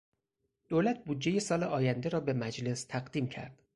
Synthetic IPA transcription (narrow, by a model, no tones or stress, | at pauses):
d̪̥oːlæt̪̚ʰbuːd̪d͡ʒːe̞jesɒːleʔɒːjænd̪e̞ɾɒːbe̞mæd͡ʒle̞st̪ʰæɣd̪iːmcʰæ̰ɾd̪̥